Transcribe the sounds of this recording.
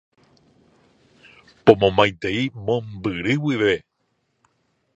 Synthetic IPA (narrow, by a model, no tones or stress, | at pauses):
põmõmãj̃t̪e̞imõ̞mbɨɾɨwiʋe̞